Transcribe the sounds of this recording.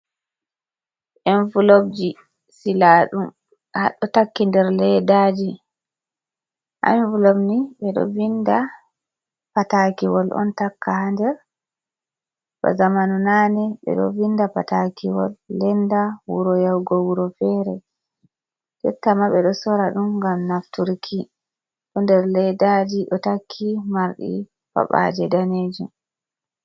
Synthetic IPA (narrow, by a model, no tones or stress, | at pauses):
ʔɛnfulobd͡ʒi | silaːɗum | ha̰ɗːɔtakːindɛɾlɛdad͡ʒi | ʔa̰mvulobniɓɛɗɔ̰vinda | patakiwɔlʔɔ̰ntakːahandɛɾ | ba̰zamanunanɛɓɛ̰ɗɔ̰vindapatakiwɔ̰lːɛndawṵɾɔjawɡɔwuɾɔfɛɾɛ̰ | d͡ʒɛtːamaɓɛɗɔsɔɾaɗumŋɡamnaftuɾkʰi | ɗundɛɾlɛdad͡ʒiɗɔtakʰːimaɾɗḭ | fa̰ɓa̰d͡ʒɛdaned͡ʒum